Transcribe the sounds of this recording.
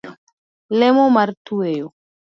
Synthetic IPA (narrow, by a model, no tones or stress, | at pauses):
lemomaɾt̪uejo